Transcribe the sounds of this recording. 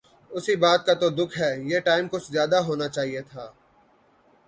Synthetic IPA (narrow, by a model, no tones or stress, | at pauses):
ʊsibaːt̪̚kat̪od̪ʊkʰɦɛːjeːʈaːɪmkʊt͡ʃʰzjaːd̪aɦoːnat͡ʃaːɦiet̪ʰaː